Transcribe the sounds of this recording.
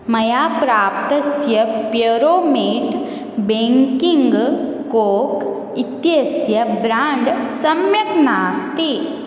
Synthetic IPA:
mɐjaːpɾaːp̚t̪ɐsjɐpjɐɾoːmeːʈ | bẽːŋkiŋɡkoːk | it̪jɐsjɐbɾaːɳɖsɐmjɐknaːst̪i

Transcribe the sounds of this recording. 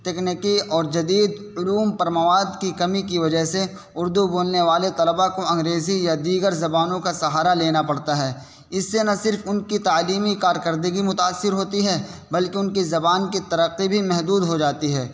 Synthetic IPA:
t̪ɛːknikiɔːɾd͡ʒɐd̪iːd̪ | ʊluːmpɐɾmɐʋaːd̪kikɐmikiʋɐd͡ʒəɦse | ʊɾd̪uboːlneʋaːlet̪ɐləbakoɐ̃ŋɡɾeːzijad̪iːɡəɾzɐbaːnõkasɐɦaːɾaleːnapɐɽt̪aɦɛː | ɪsːenɐsɪɾfʊnkit̪aːliːmikaːɾkəɾd̪əɡimʊt̪aːsːɪɾɦoːt̪iɦɛːbɐlkeʊnkizɐbaːnkit̪ɐɾəqːibʱimɛɦd̪uːd̪ɦod͡ʒaːt̪iɦɛː

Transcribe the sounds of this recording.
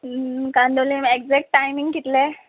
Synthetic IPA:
kãnd̪olimek̚d͡zɛk̚ʈːajmĩŋɡkit̪le

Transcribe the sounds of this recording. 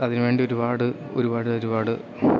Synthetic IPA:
ɐðinɨʋe̞ːɳɖio̞ɾubaːɽɨ | o̞̰ɾubaːɽɨoɾubaːɽɨ

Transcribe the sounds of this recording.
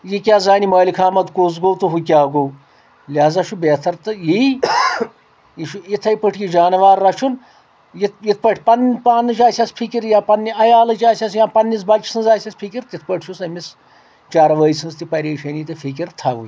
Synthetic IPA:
jikʲaːzaːnimɐːlikʰaːmɐt̪koːz̬ɡoːwt̪ɨɦuk̬ʲaːɡow | lʲaːzɐʃubeːt̪ʰɐɾt̪ɨji | iʃuit̪ʰɐjpɨʈʰjid͡ʒaːnɐʋaːɾːɐʃʰun | jit̪̚jit̪̚ʰpɐʈʰʲpɐnpaːnːɨt͡ʃaːsʲaspʰikiɾjãːpɐnːiɐjaːlɐt͡ʃaːsʲas̬jãːpɐnːis̬bɐt͡ʃʰsɨnzaːsʲɐspʰikʲiɾt̪it̪ʰpɐʈʰʃʰusɐmis | t͡ʃaːɾɐʋəːjsʰɨnzt̪ipɐɾeːʃɐniːt̪ɨfʰikiɾt̪ʰɐʋṵj

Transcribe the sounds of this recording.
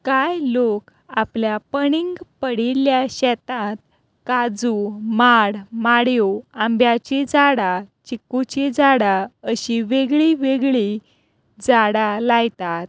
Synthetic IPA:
kajlok | apljapəɳiŋɡpəɽiljaɕɛt̪at̪̚ | kad͡zumaɽmaɽjoambjat͡ɕed͡zaɽat͡ɕikːut͡ɕed͡zaɽaəɕiʋeɡɭiʋeɡɭi | d͡zaɽalaɡt̪at̪̚

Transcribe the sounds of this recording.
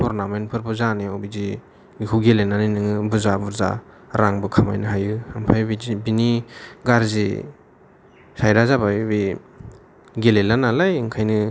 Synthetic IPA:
pʰɔɾnamenpʰɯɾbɯzaneɔwbizi | kuɡelenaninɯŋɯbɯzabuɾza̰ | ɾaŋbɯkʰama̰jnɯɦajɯampʰajbibiniɡaɾzḭ | sajɾazabajubi | ɡelelanalajɯŋkʰajnɯ

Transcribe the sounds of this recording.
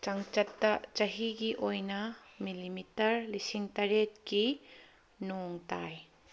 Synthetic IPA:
t͡ʃaŋt͡ʃɐtːɐt͡ʃɐɦiɡiʔojnɐmilimitɐɾlisiŋtaɾet̚ki | noŋtaj

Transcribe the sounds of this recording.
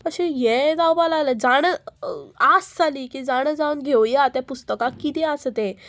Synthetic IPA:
pəɕejed͡zawbalaləd͡zaɽ̃ə | asd͡zaliːkĩd͡zaɽ̃əd͡zauːnɡʱewjat̪japust̪əkakit̪ẽasət̪ẽ

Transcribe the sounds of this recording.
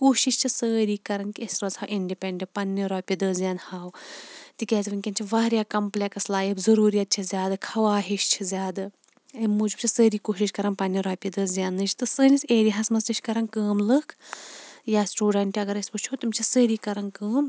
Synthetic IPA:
koːʃiʃt͡ʃʰisəːɾiːkɐɾɐnkiesʲɾoːzhawʔiɳɖipeɳɖepɐnːiɾaːpʲid̪əzʲjaːnhaːwt̪ikʲɛːzʋɨnʲkʲɐnt͡ʃʰiʋaːɾʲjaːkɐmplʲekslaːjibzɐɾuːɾijɐt̪̚t͡ʃʰizʲjaːd̪ɨkʰɐʋaːɦiʃt͡ʃʰizʲaːd̪ɨ | imːuːd͡ʒub̚t͡ʃʰisəːɾiːkoːʃiʃkɐɾɐnpɐnːiɾaːpʲid̪əːzʲjaːnːɨt͡ʃʰt̪ɨsəːnʲisʲeːɾiɦɐsmɐsiʃkɐɾɐnkəːmlɨkʰ | jaːsʈuːɖɐɳʈːiɐɡɐɾɐsʲpɨt͡ʃʰot̪umʲt͡ʃʰisəːɾiːkɐɾɐnkəːm

